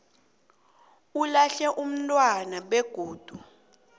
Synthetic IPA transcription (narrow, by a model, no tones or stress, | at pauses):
ulaɬɛʔum̩tʼwanaɓeɡ̥ʱoːd̥ʱu